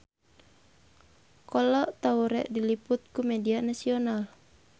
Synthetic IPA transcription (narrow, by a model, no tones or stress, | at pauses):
kɔlɔʔt̪auɾɛ̰ʔdiliput̪̚kumɛdianasiɔnal